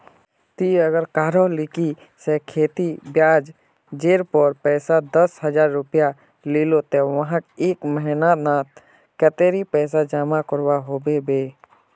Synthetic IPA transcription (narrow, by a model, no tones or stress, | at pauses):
t̪iəɡəɾkaːɾolɪki | sekʰeːt̪ibjaːd͡ʒ | d͡ʒeːɾpəɾpɛːsad̪əsɦəd͡ʒaːɾːʊpja | liːlot̪eʋəɦãkeːkməɦɪnanãːt̪̚ | kət̪eːɾipɛːs̬ad͡ʒaːmakəɾwaɦoːbebeː